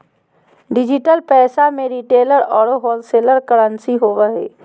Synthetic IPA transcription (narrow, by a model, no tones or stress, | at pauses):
ɖɪd͡ʒɪʈəlpɛːsamẽɾiʈeːləɾɔːɾoɦɔːlseːləɾkəɾə̃nsiɦoːʋəɦɛ̰ː